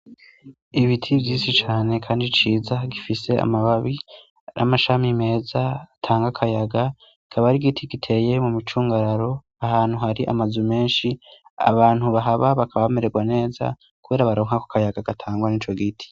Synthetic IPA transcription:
iβitʰivjiːsit͡ʃaːne̞kʰaːndit͡ʃiːzaɡifise̞a̰maβaβi | nʔa̰maʃamime̞ːzatʰaːŋɡakʰajaɡa | ikʰaβaɾiɡitʰiɡitʰe̞je̞mumit͡ʃuːŋɡaɾaɾo̞ | ahaːn̥huhaɾiʔa̰mazume̞ːnʃia̰βaːnhuβaɦaβaβakʰaβaβeme̞ɾe̞ɡwane̞ːza̰ | kuβe̞ːɾaβaɾo̞ːŋ̥hakokʰajaɡaɡ̥atʰaːŋɡwaniːt͡ʃo̞ɡitʰi̥

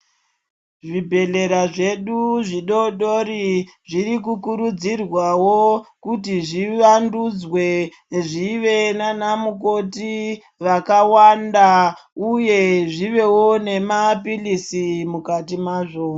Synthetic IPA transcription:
ʐibʱe̞ɮe̞ɾaʐe̞ɗuʐiɗo̞ɗoɾi | ʐiɾik̬ukuɾud͡zirwawokutiʐiʋandud͡zwe̞ | ʐiʋe̞nanamuk̬o̞ti | ʋakawandauje̞ʐiʋe̞wone̞mapilisimukatimaːʐo

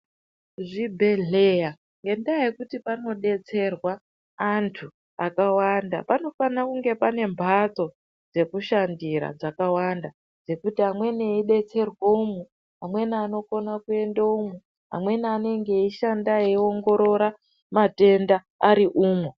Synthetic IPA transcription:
ʐibʱe̞ɮe̞ja | ŋɡe̞ndiajekutipano̞ɗe̞t͡se̞rwaː | ntʰu | akawanda̰pano̞fanakuŋɡe̞pane̞mbʱat͡so̞ | d͡ze̞kuʃandiɾa̰d͡zakawanda | d͡ze̞kutiɦamwe̞neiɗe̞t͡se̞rwoumu | ɦamwe̞niano̞ko̞nakue̞ndaumu | ɦa̰mwe̞niane̞ŋɡe̞iʃandaeio̞ŋɡo̞ɾo̞ɾa | mate̞ndaːɾiʔuːmu

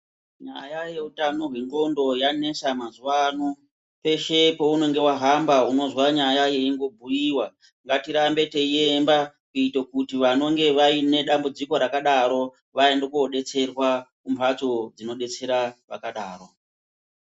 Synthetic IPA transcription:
ɲa̰jaje̞utano̞ɦweŋɡo̞ndo̞jane̞samazuwano | pe̞ʃe̞po̞uno̞ŋɡe̞waɦambauno̞zwaɲajaje̞iŋɡo̞bʱujiwa | ŋɡatiɾambe̞te̞iemba | kuitokutiʋano̞ŋɡe̞ʋaine̞ɗambud͡ziko̞ɾakaɗaɾo̞ | ʋaendekuoɗe̞t͡se̞rwa | umbat͡so̞d͡zino̞ɗe̞t͡se̞ɾaʋa̰kaɗaːro

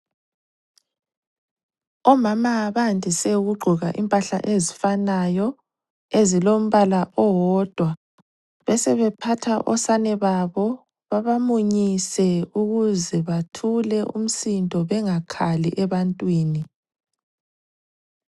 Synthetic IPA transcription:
ɔmamaβandʱisɛuɣuɡ͡ǃʱuɣaʔimpʼaɬa̰ʔezifanajɔ | ezilom̩βalaʔɔwɔd̥ʱwa | βɛsɛβɛpʰatʰaʔɔ̰sanɛβaβɔ | βaβamuɲisɛuɣuzɛβatʰulɛʔṵm̩sintʼɔβɛŋakʰaliʔɛβantʼwiːni

